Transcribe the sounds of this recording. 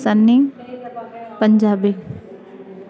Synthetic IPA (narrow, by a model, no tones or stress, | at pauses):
sənːɪŋ | pəɲd͡ʒaːbi